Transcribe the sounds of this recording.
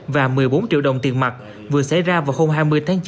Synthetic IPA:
vaː˨˩mɨ˨˩əjɓo˨˦nt͡ɕḭ˧˨əwɗə˨˩wŋ͡mt̪i˨˩ənma˨˩t̚ | vɨ˨˩əsa̰˧˩jzaː˧vaː˨˩who˧wmɦaː˧jmɨ˧əjt̪ʰaː˨˦ŋt͡ɕ

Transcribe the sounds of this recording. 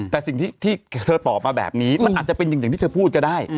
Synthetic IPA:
t̪ɛː˨˩si˨˩ŋt̪iː˥˩t̪ʰiː˥˩t̪ʰəː˧t̪ɔː˨˩p̚maː˧bɛ̰ː˨˩p̚niː˦˥ma˧nʔaː˨˩t̪̚t͡ɕa˨˩pe˧nja˨˩ŋa˨˩t̪ʰiː˥˩əː˧pʰuː˥˩t̪̚kʰɔ˥˩daː˥˩j

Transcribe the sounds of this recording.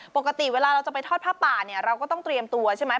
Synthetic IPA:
po˨˩kːa˧t̪i˨˩weː˧laː˧ɾa˧wt͡ɕa˨˩pa˧jt̪ʰɔː˥˩pʰaː˥˩p̚t̪aː˨˩ni˥˩ɐɾa˧wkɔː˥˩t̪ɔ˥˩ŋt̪ɾi˧əmt̪u˧ɐt͡ɕʰa˥˩jma˦˥

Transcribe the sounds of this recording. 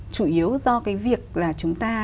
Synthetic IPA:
t͡ɕu˧˩ʔi˨˦əwzɔ˧kaː˨˦jvi˨˩ək̚laː˨˩t͡ɕʊ˨˦ŋ͡mt̪aː˧

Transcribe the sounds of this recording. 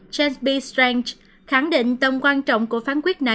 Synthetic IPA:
t͡ɕɛ˧nsɓi˧st̪ɹɛ˧ŋt͡ɕ | xa˧˩ŋɗḭ˧˨ŋ̟t̪ə˨˩wŋ͡mkwaː˧nt͡ɕɔ̰˧˨wŋ͡mku˧˩əfaː˨˦nkwi˦˥ət̚na˨˩

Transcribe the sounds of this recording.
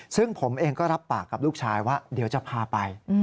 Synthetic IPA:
sɯ˥˩ŋpʰo˩˦mʔeː˧ŋkɔː˥˩ɾa˦˥pːaː˨˩kːa˨˩p̚luː˥˩k̚t͡ɕʰaː˧jwaː˥˩di˨˩˦wt͡ɕa˨˩pʰaː˧pa˧j

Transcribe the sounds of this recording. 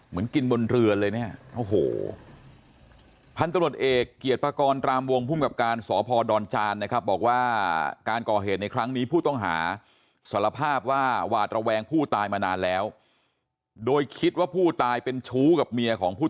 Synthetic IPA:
mɯ˩˦ənki˧nbo˧nɾɯ˧əlɤː˧jni˦˥˩ɐʔo˨˩ɦo̰ː˨˩ | pʰa˧nt̪a˧mɾu˨˩ə˩t̪ʔeː˨˩kːi˨˩ət̪̚pʰaː˧kɔː˧nt̪ɾaː˧mwo˧ŋpʰu˥˩mka˨˩p̚kaː˧nsɔː˩˦pʰɔː˧dɔː˧nt͡ɕaː˧nːa˥kʰa˦˥p̚bɔː˨˩k̚waː˥˩kaː˧nkɔː˨˩ɦeː˨˩t̪̚na˧jkʰɾa˦˥ŋniː˦˥pʰuː˥˩t̪ɔ˥˩ŋɦa̰ː˩˦ | sa˩˦la˧pʰaː˥˩p̚waː˥˩waː˨˩t̪̚ɾa˧wɛː˧ŋpʰuː˥˩t̪aː˧jmaː˧naː˧nlɛː˦˥w | doː˧jkʰi˦˥t̪̚waː˥˩pʰuː˥˩t̪aː˧jpe˧nt͡ɕʰuː˦˥ka˨˩p̚mi˧ɐkʰɔː˩˦ŋpʰuː˥˩

